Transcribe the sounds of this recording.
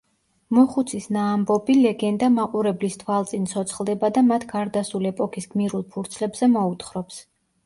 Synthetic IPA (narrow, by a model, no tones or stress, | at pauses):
mɔχut̪sʰisnaːmbɔbilɛɡɛnd̪amaqʼuɾɛblist̪ʰwalˠt̪sʼinsʰɔt̪sʰχlˠd̪ɛbad̪amat̪ʰɡaɾd̪asuliɛpʼɔkʰisɡmiɾulˠpʰuɾt̪sʰlɛbz̥ɛmɔut̪χɾɔps